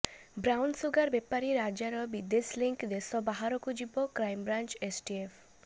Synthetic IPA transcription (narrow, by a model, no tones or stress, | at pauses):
bɾawnsuɡaɾbepaɾiɾad͡ʒaɾɔbid̪esliŋkd̪esɔbaɦaɾɔkud͡ʒibɔkɾajmbɾant͡ʃesʈiefʰ